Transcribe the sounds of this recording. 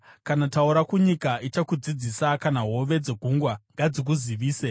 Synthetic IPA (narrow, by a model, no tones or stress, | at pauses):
kanatauɾakuɲikait͡ʃakud͡zid͡zisakanaɦo̞ʋe̞d͡ze̞ɡʱuŋɡwaŋɡad͡zik̬uziʋiːse